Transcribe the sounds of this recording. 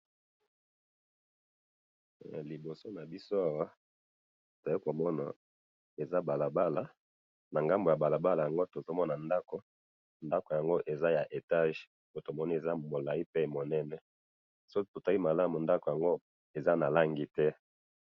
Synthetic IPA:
li˨bo˨so˦na˨bi˦so˦a˨wa˦ | to˨i˦ko˨mɔ˦na˨ | e˨za˦ba˨la˨ba˦la˨ | na˨ŋɡa˦mbo˨ja˨ba˨la˨ba˦la˨ja˨ŋɡo˦to˨zo˦mɔ˦na˨nda˦ko˨ | nda˦ko˨ja˨ŋɡo˦ʔe˨za˦ja˨ʔe˨ta˦ʒ | o˦to˨mɔ˦ni˦e˨za˦mo˨la˨i˦pe˦˨mo˨nɛ˦nɛ˦ | so˦to˨ta˦i˦ma˨la˦mu˨nda˦ko˨ja˨ŋɡo˦ | e˨za˦na˨la˦ŋɡi˨tɛ˦

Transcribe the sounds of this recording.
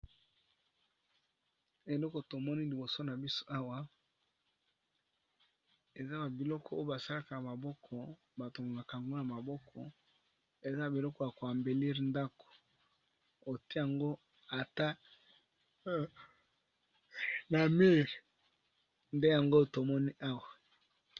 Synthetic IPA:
e˨lɔ˦ko˨to˨mɔ˦ni˦li˨bo˨so˦na˨bi˦so̥˦ʔa˦wa˦ | e˨za˦ba˨bi˨lɔ˦kʰɔ˦o˦o˦ba˨sa˦la˦ka˨na˨ma˨bɔ˦kʰɔ˨ | ba˨to˨mɡma˨ka˨ŋɡo˦na˨ma˨bɔ˦kʰɔ˨ | e˨za˦˨bi˨lɔ˦kɔ˦ja˨ko˨a˨mbe˨li˦ʁnda˦ko̥˨ | o˨te˦ja˨ŋɡo˦ | a˨ta˦ | na˨mi˦ʁ | nde˦ja˨ŋɡo˦to˨mɔ˦ni˦ʔa˦wa˨

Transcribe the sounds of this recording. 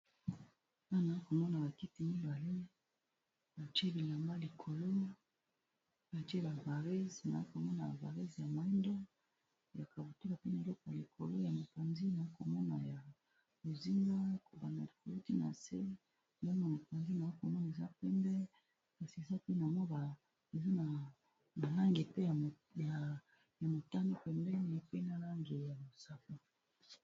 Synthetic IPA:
ta˦˨na˨i˦ko˨mɔ˦na˨ba˨ki˦ti˦mi˦ba˨le˦ | ba˨t͡ʃe˦bi˨la˨mba˦li˨kʰo˨lo˦ | ba˨te˦ba˨va˨ʁe˦zi˨na˨i˦ko˨mɔ˦na˨ba˨va˨ʁe˦zja˨ma˨e˦ndo˦˨ | ja˨ka˨bo˨tu˦la˨pe˦na˨e˨lɔ˦ko˨ja˨li˨kʰo˨lo˦ja˨mo˨pa˨nzi˦na˨i˦ko˨mɔ˦na˨ja˨ | bo˨zi˦na˦ko˨ba˨na˨li˨ko˨lo˦ti˦na̰˨se˦˨ | la˦na˨mo˨pa˨nzi˦na˨i˦ko˨mɔ˦na˨e˨za˦pɛ˦mbɛ˦ | ka˨si˨e˨za˦ki˦na˨mo˦ba˨ | e˨za˦na˨ | ma˨la˦ŋɡe˨pe˦a˨ | a˨ | ja˨mo˨ta˦ni˦pɛ˨mbɛ˦n˨pe˦na˨la˦ŋɡe˨ja˨bo˨sa˦ko˨

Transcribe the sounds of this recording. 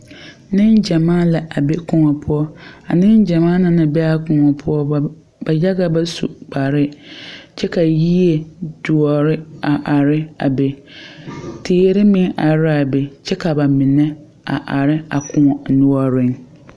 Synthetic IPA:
nɪ̃˦nd͡ʒa˨maː˦la˨ʔa˨be˦kʰʊ̃˨ŋɔ˨pʰʊ˦ɔ˦a˨nɪ̃˦nd͡ʒa˨mãː˦nɪ̃˦nɪ̃˨bɛ˦a˦kʊ̃˨ŋɔ˨pʰʊ˦ɔ˦ | ba˨ja˦ɡa˨ba˦sṵ˨k͡pʰa˨ɾɪ˦t͡ʃʰɛ˦ka˨ji˦e˨d̥ʊ˨ɔ˨ɾɪ˦a˨ʔa˨ɾɪ˦a̰˨be˨ | tʰeː˨˦ɾɪ˦mɪ̃˦ŋa˨ɾa˨be˨t͡ʃʰɛ˦kʰa˨ba˨mɪ̃˨nɛ̃˦ | a̰˨ʔa˨ɾɪ˦a˨kʰʊ̃˦ɔ˨nʊ̃˦ɔ˦ɾɪ̃˦ŋ

